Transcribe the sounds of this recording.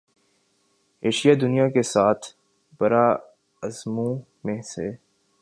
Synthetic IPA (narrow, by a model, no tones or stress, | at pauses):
eːʃijad̪ʊnijakesaːt̪ʰ | bɐɾa | ɐzmũ | mẽseː